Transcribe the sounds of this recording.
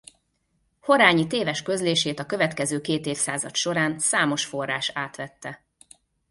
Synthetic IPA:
ho̞ɾaːɲit̪eːvɛʃkø̞zleːʃeːt̪ɒkøvɛt̪kɛzøːkeːt̪eːfsaːzɒ̰t̪ʃo̞ɾaːnsaːmo̞ʃfo̞rːaːʃaːt̪ʋɛt̪ːɛ

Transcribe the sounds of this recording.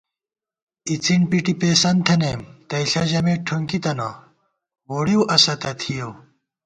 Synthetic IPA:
it͡sʰiɳpiʈipeːsɐnt̪ʰɐnemt̪ɐiɬɐʑɐmeʈʰuŋkit̪ɐno | woːɽiwʔɐsɐt̪ɐt̪ʰijow

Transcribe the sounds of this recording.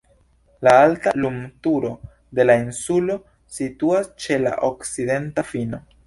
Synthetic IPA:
laaltalumtuɾo̞ | de̞lainsulo̞ | situast͡ʃe̞la̰ʔokside̞ntafino̞

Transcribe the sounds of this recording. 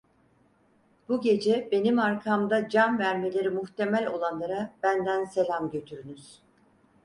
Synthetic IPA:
b̥uɟe̞d͡ʒɛbe̞nimaɾkʰamd̪ad͡ʒanvæɾme̞lʲe̞ɾimuht̪ʰe̞mælʲo̞lˠanlˠaɾab̥ænd̪ænse̞lʲamɟø̞t̪ʰyɾynyz̥

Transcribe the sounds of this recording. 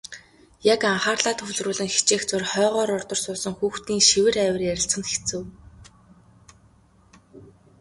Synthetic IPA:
jakaɴχaːrɮaːt̪xɵɮrʊːɮɘ̆ŋxi̥t͡ɕeːxt͡sʊrχœːʁœːɾɔrt̪ɞ̆r̥sʊːsə̆ŋxuːxt̪iːŋʃiwɘ̆ræːwə̆rjæɾʲɪ̆ɬt͡sχə̆nt̪xi̥xʰt͡sɘ̆w

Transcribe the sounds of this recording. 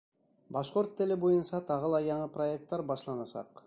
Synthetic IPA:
bɑʃqo̞ɾt̪ːelebojunsɑt̪ʰɑʁɯlˠɑjɑɴɯpro̞ek̚t̪ːɑɾbɑʃlˠɑnɑsɑ̰q

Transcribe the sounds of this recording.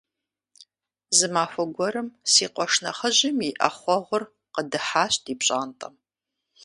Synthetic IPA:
zɨmaːfʷɐɡʷɔɾɨmsiːqʷɔʂnɐ̰χəʑɪmjiʔɐ̰χʷɔʁʷʊr | qədɨħaːɕtiːpɕʼaːntʼɐ̰m

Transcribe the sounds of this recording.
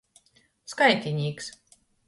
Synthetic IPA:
skajt̪ʲinʲiːks

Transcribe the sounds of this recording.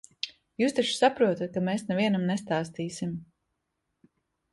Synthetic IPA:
juːst̪aʃsapɾuɔt̪at̪̚kameːsnɛviɛnamnɛst̪aːst̪iːsim

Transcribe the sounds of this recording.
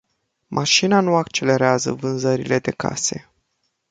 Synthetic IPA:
mʔaʃinanuakt͡ʃe̞le̞ɾeazə̰vɨnzəɾile̞d̪e̞ka̰se̞̰

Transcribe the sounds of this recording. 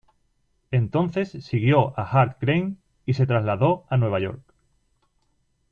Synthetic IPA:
e̞nt̪o̞nθe̞sːiɣ̞jo̞axaɾt̪kɾejn | ise̞t̪ɾazlaðo̞anwe̞β̞aʝo̞̰ɾk

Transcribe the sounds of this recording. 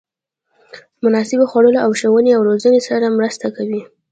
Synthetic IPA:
mʊnɑsɪboxwaɽəloawʃəwəneawɾozənesaɾamɾəst̪akawi

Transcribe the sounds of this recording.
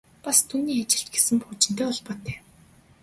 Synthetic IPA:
past̪ʰuːniːat͡ɕɪ̆ɬt̪̚ɡesɘ̆mpʊt͡ɕɪ̆n̥t̪eːɔɮpɔːt̪ːeː

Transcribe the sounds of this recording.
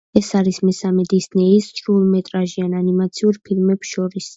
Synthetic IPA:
ɛsaɾismɛsamɛd̪isnɛist͡ʃʼɾulˠmɛt̪ʼɾaʒiananimat̪sʰiuɾpʰilˠmɛpsʃɔɾis

